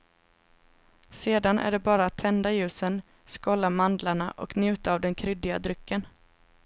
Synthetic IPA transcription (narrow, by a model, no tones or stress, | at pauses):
seːd̪anʔæ̰ɖɛbɑːɾaːt̪ʰːɛnd̪ajʉ̟ːsən | skɔlːamand̪laɳaʔɔ̰knjʉ̟ːt̪aːvd̪ɛnkʰɾʏd̪ːɪɡa̰d̪ɾʏkːən